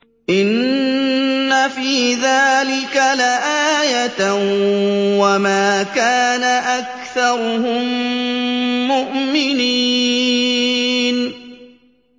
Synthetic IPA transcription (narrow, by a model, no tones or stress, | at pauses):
ʔɪnː | afiːðaːlɪkalaʔaːjat̪ | wamaːkaːnaʔakθɑɾˤhʊm | ʊʔmɪni | n